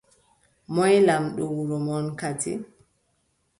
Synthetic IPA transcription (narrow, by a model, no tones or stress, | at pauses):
mɔjlamɗɔwuɾɔmɔnkatḭ